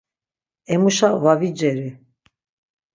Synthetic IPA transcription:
ɛmuʃavavid͡ʒɛɾi

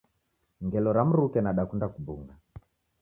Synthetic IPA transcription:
ŋɡɛlɔɾam̩ɾukɛnaɗakundakubuŋɡa

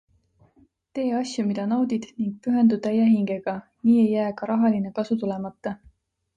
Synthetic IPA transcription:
t̪e̞ːɑsʲjumid̪̥ɑnɑwd̪̥id̪̥niŋɡ̥̚pyɦe̞nd̪ud̪ɑjæɦiŋɡ̥e̞ɡ̥ɑ | niːe̞jːæːkɑɾɑɦɑline̞kɑsut̪ule̞mɑt̪ːˑɑ

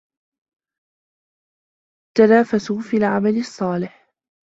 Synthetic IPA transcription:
t̪anaːfasuːfiːlʕamalɪsˤːɑːlɪħ

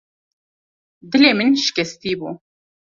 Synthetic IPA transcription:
d̪ɨleːmɨnʃɪ̥kʲɛst̪iːbṵː

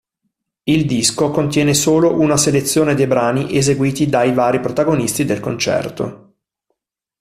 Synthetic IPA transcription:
ild̪iskokont̪̬jɛːnesoːloʔunaselet̪sːjoːned̪ejbɾaːniʔezeɡwiːt̪id̪ajvaːɾipɾot̪aɡonist̪id̪elkont͡ʃɛ̰rt̪o̰

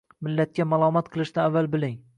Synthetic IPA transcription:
mɪlːat̪̚kʲamalˠɒmat̪̚qʰɨlˠɪʃnɪavːalbɪlɪŋ

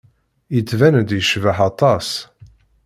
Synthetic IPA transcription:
ət͡sːvænd̪jəʃvəħɑt̪ˤɑs

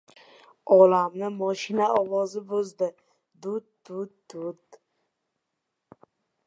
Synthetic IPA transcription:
ɒlamnɪmɒʃɪnaɒwɒzɪbozd̪ɪ | d̪ʊd̪̚d̪ʊd̪̚d̪ʊd̪

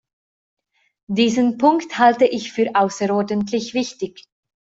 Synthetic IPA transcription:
d̥iːzənpʰʊŋkthaltəʔɪçfyːɐʔaʊsəʁɔɐdəntʰlɪçv̥ɪçtɪç

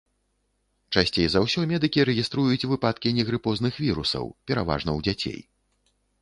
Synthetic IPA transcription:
t͡ʂasʲt͡sʲejzawsʲɔmʲɛd̪ɨkʲiɾɛɣʲist̪ɾujut͡sʲvɨpat̪̚kʲinʲɛɣɾɨpɔznɨxvʲiɾusɐ̰wpʲɛɾa̰va̰ʐnɐwd͡zʲat͡sʲḛj

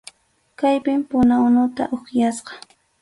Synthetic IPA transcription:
kajpɪmpʊnanʊt̪a̰ʔoχjasqɑ̥

